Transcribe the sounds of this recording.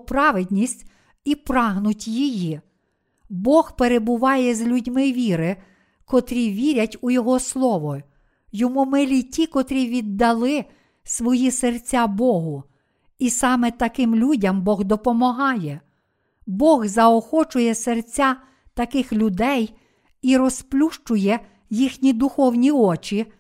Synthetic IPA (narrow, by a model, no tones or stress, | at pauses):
pɾɑʋed̪ʲnʲisʲtʲ | ipɾɑɦnʊtʲjiji | bɔxpeɾebʊʋɑjɛzʲlʲʊdʲmɪʋʲiɾɪ | kɔt̪ɾʲiʋʲiɾʲɐtʲujɔɦɔslˠɔʋɔ | jɔmumɪlʲitʲikɔt̪ɾʲiʋʲid̪ːɐlˠɪ | sʋɔjisert͡sʲabɔɦʊ | isɑmɛt̪ɐkɪmlʲudʲɐmbɔɣd̪ɔpɔmɔɦɑjɛ | bɔɣzɐɔxɔt͡ʃʊjɛsert͡sʲa | t̪ɐkɪxlʲʊd̪ɛj | iɾɔsplʲuʃt͡ʃʊjɛ | jixnʲid̪ʊxɔwnʲiɔt͡ʃi